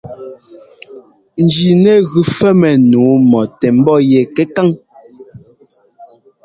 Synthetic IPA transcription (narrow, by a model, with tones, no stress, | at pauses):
n̩˨d͡ʒi˨nɛ˦ɣʉ˨fɛ˦mɛ˨nuː˨˦mɔ˨tɛ˨m̩˦bɔ˦jɛ˨kɛ˦ka˦ŋ